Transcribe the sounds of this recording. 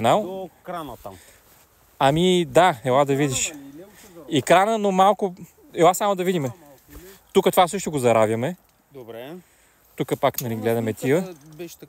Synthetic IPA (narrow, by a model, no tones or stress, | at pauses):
nalˠkɾant̪am | ɐmid̪aɛlˠad̪ɐvid̪iʃ | ikɾanənomalˠkʊ | ɛlˠasamod̪ɐvid̪imɛ | t̪ukət̪ovasɤʃt̪oɡozɐɾavʲjəmɛ | d̪bɾɛ | t̪ukəpaknɐliɡlɛd̪ɐmɛt̪iə